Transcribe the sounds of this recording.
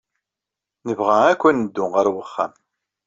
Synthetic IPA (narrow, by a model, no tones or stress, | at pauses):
nəvʁæækʷːænːəd̪ːʊʁaɾwəχːæ̰m